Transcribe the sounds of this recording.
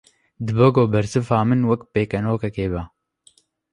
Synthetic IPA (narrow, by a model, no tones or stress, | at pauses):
d̪ɨboɡoːbɐɾsɨfaːmɨnwɐkpeːkɐnoːkɐkeːba